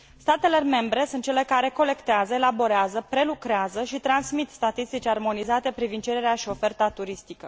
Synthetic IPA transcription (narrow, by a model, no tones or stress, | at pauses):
st̪at̪e̞le̞me̞mbɾe̞sunt̪t͡ʃe̞le̞kaɾe̞ko̞le̞kt̪eazəelabo̞ɾeazəpɾe̞lukɾeazəʃit̪ɾansmit̪st̪at̪ist̪it͡ʃʲarmo̞nizat̪e̞pɾivind̪̚t͡ʃe̞ɾe̞ɾeaʃio̞fe̞rt̪at̪uɾist̪ikə